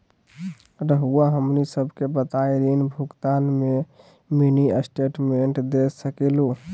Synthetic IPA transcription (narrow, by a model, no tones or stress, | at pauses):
ɾəɦuaɦəmnisəbʱkebət̪aiɾinbʱuɡt̪aːnme | miniəsʈeʈmeɳʈd̪esəkelu